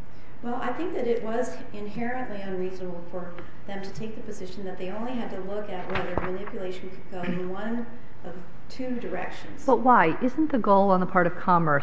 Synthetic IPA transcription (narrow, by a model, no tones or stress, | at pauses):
wɛlˠa̰ɪθɪ̃ŋk̚ðɨɾɪʔ̚wʌz | ɪ̃nɦɛɹɨ̃nʔliɨ̃nɹiznəbl̩ˠfə˞ | ðɨ̃mtʰɨtʰeɪk̚ðɨpɨzɪʃn̩ðɨt̪̚ðeɪõʊ̃nliɨd̚tɨlʊkɨt̚wɛðə˞mɨnɪpjɨleɪʃn̩kʰɨd̚ɡoʊɨ̃nwʌ̃n | ʔʌv̥ | tʰʉdə˞ɛ̰kʃɨ̃n̩z̥b̥ʌt̚waɪʔɪz̃n̩ðɨɡoʊlˠə̃nðəpʰɑɹɾʌv̥kʰɑmə˞